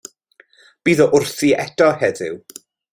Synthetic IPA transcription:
b̥iːðɔʔʊrθiɛdɔhɛdɪ̰w

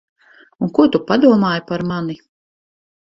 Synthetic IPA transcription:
unkuɔt̪upad̪uɔmaːjpaɾmani

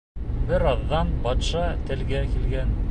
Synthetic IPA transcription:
bɘɾɑðːɑnbɑt̪ʃɑt̪ɘ̆lɡækilɡæn

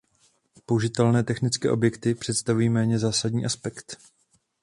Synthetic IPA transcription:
pouʒɪt̪ɛlnɛːt̪ɛxnɪt͡skɛ̰ːʔo̞bjɛkt̪ɪpr̝̥ɛt̪st̪avujiːmɛːɲɛzaːsadɲiːʔaspɛkt̪

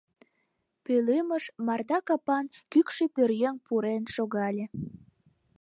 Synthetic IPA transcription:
pøleməʃmɑrd̪ɑkɑpɑnkykʃepørjeŋpuɾenʃoɣɑlʲe

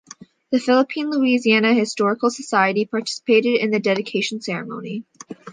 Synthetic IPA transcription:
ðɨfɪlˠəpʰĩnluiziænɨhɨstɔɹəkl̩ˠsəsaɪɨɾipʰɑɹtʰɪ̥sə̥pʰeɪɾɨɾɨ̃nðɨdɛɾɨkʰeɪʃn̩sɛɹɨmõʊ̃ni

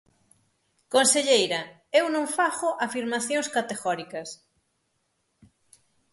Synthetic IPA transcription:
konseʎejɾɐ | ewnõŋfaxʊʔafiɾmaθjõŋskat̪eɣɔɾikɐs

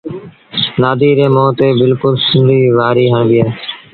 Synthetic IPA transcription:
naːd̪ʱiːɾẽːmoːt̪eːbɪlkʊlsɪ̃nd̪ʱiːʋaːɾiːɦə̃ːnʋɪjaː

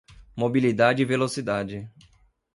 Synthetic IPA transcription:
mobilid̪ad͡ʒɪivelosid̪ad͡ʒɪ

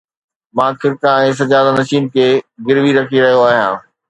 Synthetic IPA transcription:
mãːkʰɪɾkãɛ̃ːs̬ɐd͡ʑaːd̪anɐʃiːnkʰeːɡɪɾʋiɾɐkʰiɾɐɦijoaːɦijãː

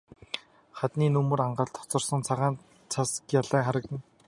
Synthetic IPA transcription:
χat̪niːnɵmɵ̆raɴɢə̆ɮt̪ʰɔ̥t͡sɞ̆rsə̆nt͡sʰaʁaːn | t͡sʰaskjaɮæːχaɾə̆kt̪ɘ̆n

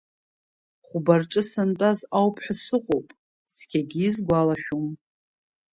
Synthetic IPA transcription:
χʷʊbarʈ͡ʂʼɨsantʼazawpʰħasɨqʼowpʼ | skʲʰaɡʲiːzɡʷalaʃᶣum

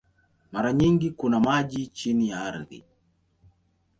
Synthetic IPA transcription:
maɾaɲiŋɡikunamaʄit͡ʃinijaaɾðḭ

